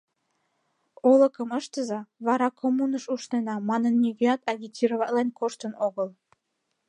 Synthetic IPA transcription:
olə̆kə̆məʃt̪əzɑβɑɾɑkʰomunəʃuʃnenɑmɑnə̆nːʲyɣeɑt̪ɑɣʲitʲiɾovɑlenʲkoʃt̪ənoɣəl

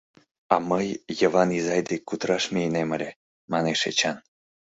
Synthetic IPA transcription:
ɑ̰məjːəβɑnizɑjd̪ekːut̪ɾɑʃmʲijneməlʲe | mɑneʃḛt͡ɕɑn

